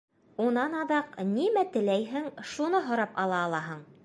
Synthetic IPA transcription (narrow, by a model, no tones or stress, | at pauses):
unɑnɑðɑqnimæt̪ɘ̆læjɦɘŋʃunɤɦŏɾɑpɑlˠɑːlˠɑɦɤɴ